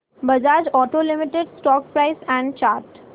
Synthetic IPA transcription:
bəd͡ʒaːd͡ʒɔːʈoːlɪmɪʈeɖsʈɔːk̚pɾaɪsɛ̃ɳɖt͡ʃaːɾʈ

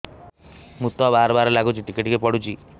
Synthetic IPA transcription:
mut̪ɔbaɾɔbaɾlaɡut͡ʃʰiʈikiʈikepɔɽut͡ʃʰi

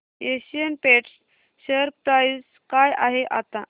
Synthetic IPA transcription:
eɕijənpeʈs | səɾp̚ʈaiz | kajaɦeʔa̰t̪a

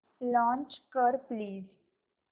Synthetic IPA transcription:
lɔ̃ːnt͡ʃkəɾpliːz

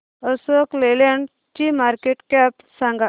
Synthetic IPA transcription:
əsokleleɳɖ | t͡ʃimaɾkeʈkap | saŋɡa

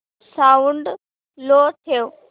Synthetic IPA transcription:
saʊɳɖ | loːt̪ʰijoː

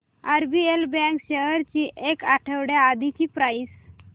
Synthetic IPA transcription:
aɾbielbɛ̃ŋkɕeɦəɾt͡ɕiːʔekaʈʰəʋɽjaːd̪ʱit͡ɕiːpɾais

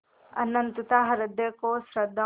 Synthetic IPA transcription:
ɐ̰nːɐnt̪ut̪aɦɐɾɐd̪ʱːɐkoːsɾɐd̪ʱːɐ

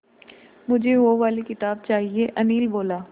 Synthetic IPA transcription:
mʊd͡ʒʱeʋoʋaːlikɪt̪aːb̚t͡ʃaːɦieʔɐniːlboːlaː

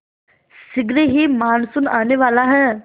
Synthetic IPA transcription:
sɪɡɾeɦimaːnsunaːneʋaːlaɦɛː

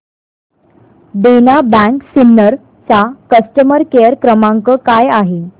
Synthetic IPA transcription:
d̪enabæ̃ŋksinːəɾ | t͡sakəsʈəməɾkejəɾkɾəmãŋkəkajaɦe

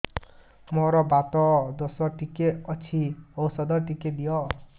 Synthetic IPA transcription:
mɔɾɔbat̪ɔd̪ɔsɔʈikeʌt͡sʰiɔwsɔd̪ɔʈiked̪ijɔ

